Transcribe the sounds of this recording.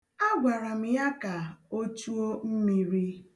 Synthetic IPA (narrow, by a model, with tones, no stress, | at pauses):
a˦ɡʷa˨ɾa˨m̩˦ja˦ka˨o˦t͡ʃu˦o˦m̩˦mi˨ɾi˦